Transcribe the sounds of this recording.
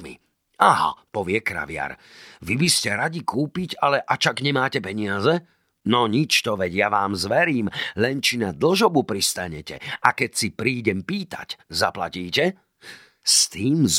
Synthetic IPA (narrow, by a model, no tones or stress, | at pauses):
mḭ | aɦa̰pɔʋɪɛkɾa̰ʋɪa̰ɾʋibiscɛɾaɟikuːpicalɛʔat͡ʃaɡɲɛmaːcɛpɛɲɪazɛ | nɔɲit͡ʃt̪ɔʋɛɟjaʋaːmzʋɛɾiːmlɛnt͡ʃinad̪l̩ʒɔbupɾist̪aɲɛcɛ̰akɛcsipɾiːɟɛmpiːt̪a̰czapla̰ciːcɛ | st̪iːmz